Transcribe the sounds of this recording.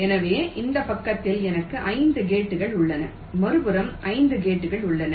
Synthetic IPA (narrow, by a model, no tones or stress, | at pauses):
ɛnɐʋeːʔɪnd̪ɐpɐkːɐt̪ːɪlɛnɐkːɯʔɐɪnd̪ɯɡeːʈːɯɣɐɭʊɭːɐnɐ | mɐɾɯbɯɾɐmʔɐɪnd̪ɯɡeːʈːɯɣɐɭʊɭːɐnɐ